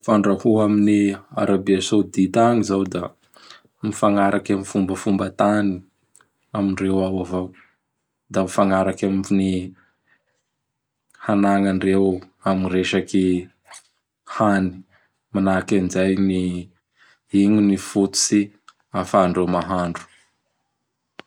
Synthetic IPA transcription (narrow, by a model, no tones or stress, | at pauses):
faɳɖ͡ʐahuaminia̰ɾabeasod̪it̪aŋizawd̪a | mifaŋaɾakamifumbəfumbət̪ani | amiɳrewawavaw | d̪amifaŋaɾakamni | hanaŋaɳrew | amiɾeʃaki | hani̥ | manakand͡ʒajni | iɲinifut̪u̥si | afaɳɖ͡ʐewmaɦaɳɖ͡ʐu̥